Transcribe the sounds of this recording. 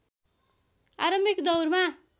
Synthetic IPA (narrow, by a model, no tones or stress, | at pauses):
aɾʌmbikd̪ʌwrma